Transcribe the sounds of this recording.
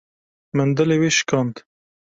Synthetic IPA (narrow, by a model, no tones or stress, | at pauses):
mənd̪ɨleweːʃɨ̥kɑːnt̪